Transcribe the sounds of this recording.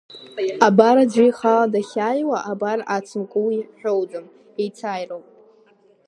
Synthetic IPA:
abaɾad͡ʒʷijχaladaχʲajwaʔabarat͡sʰɨmkʷʼuwiħᶣowd͡zɨm | ejt͡sʰaːjrowpʼ

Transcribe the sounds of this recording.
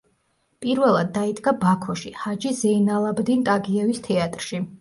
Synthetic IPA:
pʼiɾvɛlˠad̪̚ːaid̪ʼɡabakʰɔʃihad͡ʒizɛinalˠabd̪int̪ʼaɡiɛvist̪ʰɛat̪ʼɾʃi

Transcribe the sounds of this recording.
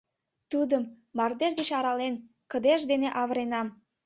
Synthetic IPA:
t̪ud̪əmː | ɑrd̪eʒd̪eʃɑɾɑlen | kəd̪eʃd̪eneʔɑβəɾenɑm

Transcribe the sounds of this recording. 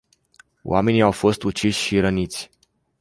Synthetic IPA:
w̰a̰me̞niawfo̞st̪ut͡ʃiʃʲʃiɾənit̪sʲ

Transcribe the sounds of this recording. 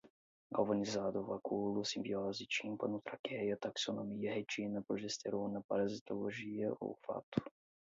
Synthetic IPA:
ɡavonizad̪ovakʰuːlusimbioːzit͡ʃimpanut̪ɾakɛjat̪aksonomijɛɦɛt͡ʃinapɾoʒɛst̪ʰɛɾoːnapaɾazit̪oloʒijɛʔo̰fa̰t̪u̥

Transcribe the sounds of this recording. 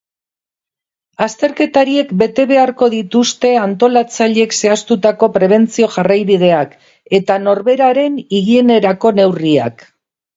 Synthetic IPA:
ast̪e̞ɾke̞t̪aɾie̞kbe̞t̪e̞βe̞aɾko̞ð̞it̪ust̪e̞ant̪o̞lat͡saʎe̞kse̞ast̪ut̪ako̞pɾe̞β̞e̞nt͡sio̞ʝarajβið̞e̞ak | e̞t̪ano̞ɾβe̞ɾaɾe̞niɣie̞ne̞ɾako̞ne̞wria̰k

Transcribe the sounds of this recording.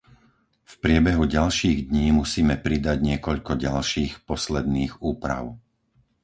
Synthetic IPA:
fpɾɪɛbɛɦuɟalʃiːɣd̪ɲiːmusiːmɛpɾid̪aɟɲɪɛkɔʎkɔɟalʃiːxpɔslɛd̪niːɣuːpɾa̰ʊ

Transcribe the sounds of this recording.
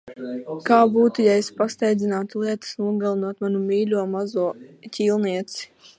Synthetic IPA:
kaːbuːt̪ujaɛsʲpast̪ɛjd̪zʲinaːt̪ulˠiɛt̪ɨ̥snuɔɡalˠinuɔt̪manumʲiːlʲuɔmazuɔcʲiːlˠniɛt̪si̥

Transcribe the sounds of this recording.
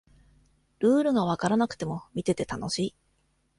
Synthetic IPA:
ɾɯ̟ːɾɯ̟ɡaβ̞akaɾanakɯ̥t̪e̞mo̞mʲit̪e̞t̪e̞t̪ano̞ɕiː

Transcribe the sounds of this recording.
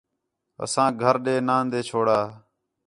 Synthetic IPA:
ə̰sãːɡʱəɾɗeːnãːnd̪eːt͡ʃʰoːɽaː

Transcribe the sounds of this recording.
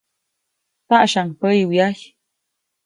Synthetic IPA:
t̪aʔʃaŋpəjwjaj

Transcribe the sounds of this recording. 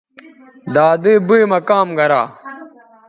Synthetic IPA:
d̪aːd̪eːbuimɐkaːmɡɐɾaː

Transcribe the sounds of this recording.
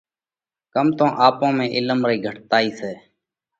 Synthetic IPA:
kəmt̪õːʔaːpõːmẽːʔɪləmɾiːɡʱəʈt̪aːiːseː

